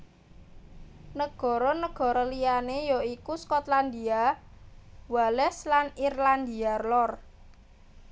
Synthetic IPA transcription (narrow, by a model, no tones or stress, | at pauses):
nəɡ̥ɔ̤ɾɔnəɡ̥ɔ̤ɾɔlijanejɔikuskɔt̪land̪ia | walɛhslanirland̪iarlɔr